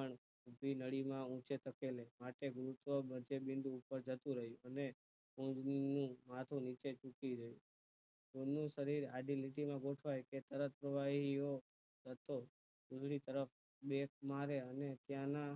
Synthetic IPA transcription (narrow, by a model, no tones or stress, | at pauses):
əɳ | ubʱinəɽimãũt͡ʃet̪ʰəkelemaʈeɡʊɾut̪ʋəbəd͡ʒebɪ̃nd̪ʱũːpəɾd͡ʒʱət̪ũɾəɦjũəne | ũd͡ʒninũmat̪ʰũnit͡ʃet͡ʃũkid͡ʒəjũ | onũʃəɾiɾaɖiliʈimãɡoʈʰʋajket̪əɾət̪̚pɾəʋaɦio | d͡ʒət̪o | ud͡ʒʱɽit̪əɾəf | ɓek̚maɾeənet̪jãna